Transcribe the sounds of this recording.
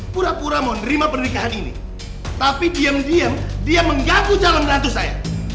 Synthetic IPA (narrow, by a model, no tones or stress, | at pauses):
puɾapuɾamaonəɾimapənəɾikaɦaninḭ | t̪apidiəmdiamdiaməŋɡakud͡ʒalanrat̪usaja̰